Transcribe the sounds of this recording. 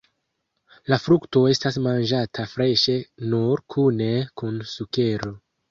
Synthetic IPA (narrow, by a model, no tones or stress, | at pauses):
lafɾukto̞e̞stasmand͡ʒatʰafɾe̞ʃe̞nuɾkʰune̞kunsuke̞ɾo̞